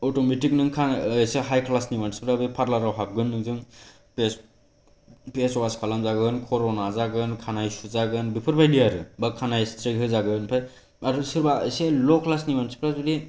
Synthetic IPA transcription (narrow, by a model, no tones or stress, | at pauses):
ɔtometik̚nɯŋkʰanːseɦajkʰlasnimansi̥pʰɾabɯpʰaɾlaɾawɦap̚ɡɯnːɯŋzɯŋ | pes | peswaskʰalamzaɡɯnkʰɔɾɔnazaɡɯnkʰanajsuzaɡɯnbipʰɯɾbʰajlijaɾɯbakʰanajstʰɾeɡɦɯzaɡɯnpʰaj | aɾɯsɯɾbaeselɔkʰlasnimansi̥pʰɾazudi